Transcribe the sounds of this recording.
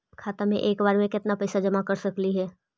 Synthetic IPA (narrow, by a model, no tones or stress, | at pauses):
kʰaːt̪amẽʔeːkbaːɾmẽkɪt̪napɛːsad͡ʒɐmakɐɾsɐkliɦɛː